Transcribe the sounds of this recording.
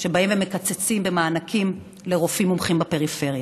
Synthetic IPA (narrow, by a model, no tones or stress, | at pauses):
ʃebaimvemekat͡set͡simbemaːnakʰim | le̞ʁofimumχimbape̞ʁife̞ʁja